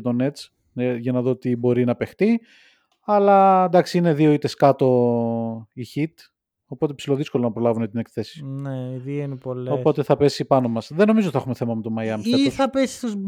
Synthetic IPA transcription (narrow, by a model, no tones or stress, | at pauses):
t̪o̞ne̞t͡s | ʝɐnɐðo̞t̪ibo̞ɾinɐpe̞xt̪i | ɐlɐend̪ɐksiine̞ðio̞it̪e̞skɐt̪o̞ | içit̪ | o̞po̞t̪e̞psilo̞ðisko̞lonɐpɾolɐvunet̪inekθesi̥neiðiinepoloppo̞t̪e̞θɐpesipɐno̞mɐsðeno̞mizot̪iθɐxume̞θe̞mɐmet̪omɐjɐmseθɐpesi̥st̪uz